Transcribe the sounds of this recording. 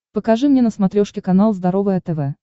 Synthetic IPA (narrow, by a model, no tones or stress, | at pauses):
pəkɐʐɨmnʲenəsmɐt̪ɾʲoʂkʲɪkɐnalˠzd̪ɐɾovɨjɐt̪ɛvɛ